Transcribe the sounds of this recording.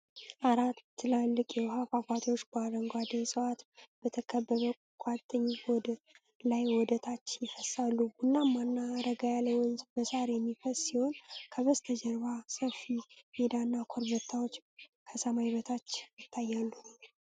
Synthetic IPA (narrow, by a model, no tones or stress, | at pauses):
ʔaɾat̪ʰːɨlalːɨkʼjɛwhafafat̪ʰot͡ʃːbaɾəŋɡʷad̪esʼəwat̪b̥ət̪ʰəkʰəbːəβəkʼat̪ʼːəɲːbɔd̪ | lajwɔd̪ət̪ʰat͡ʃːjɪfəsalːuɡunːamanːaɾəɡajaləwɔnzbəsaɾejɛmːifəsʼsiho̞nkʰəβəst̪ʰəd͡ʒəɾβasəfimed̪anːakʰoɾbət̪ʰːawot͡ʃːkʰəsəmajiβət̪ʰat͡ʃːjɪt̪ʰːajːalːu